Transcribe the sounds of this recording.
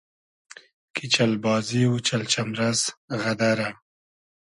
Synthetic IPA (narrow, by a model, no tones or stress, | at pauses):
kʰit͡ʃalbɑːziwut͡ʃalt͡ʃamɾazɣad̪aɾa